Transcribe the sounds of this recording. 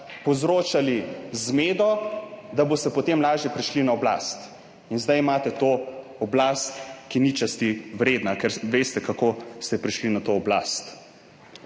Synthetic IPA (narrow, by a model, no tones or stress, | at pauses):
pɔzɾoːt͡ʃalizmeːd̪ɔd̪abost̪ɛpɔt̪emlaːʒjɛpɾiʃlinaɔbla̰st̪ | inzd̪ajimaːt̪ɛt̪oː | ɔblaːst̪kinit͡ʃast̪iwɾeːd̪nakɛɾʋeːst̪ɛkakost̪ɛpɾiʃlinat̪oːbla̰ːst̪